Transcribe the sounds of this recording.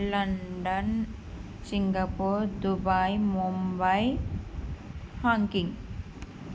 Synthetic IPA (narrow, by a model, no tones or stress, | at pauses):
lɐɳɖɐn | siŋɡɐpoːɾd̪ubaːjmumbɐj | haŋkiŋɡ